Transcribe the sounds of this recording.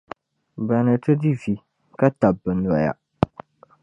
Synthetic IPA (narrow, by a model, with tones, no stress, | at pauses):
ba˨nɨ˨tɨ˦di˦˨vi˨ | ka˦ta˨bɨ˨n˨a˨ja̰˨